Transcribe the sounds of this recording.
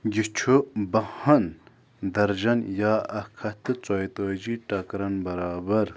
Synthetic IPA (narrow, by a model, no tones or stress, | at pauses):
ɡət͡ɕʰobahan | d̪arʑanjaahkʰat̪ət͡sajt̪oʑiʈ͡ʂakɾanbaɾabar